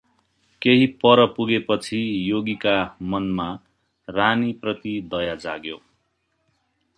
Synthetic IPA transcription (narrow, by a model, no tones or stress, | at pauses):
keɦipʌɾʌpuɡepʌt͡sʰijoɡikamʌnma | raniprʌt̪id̪ʌjad͡zaɡjo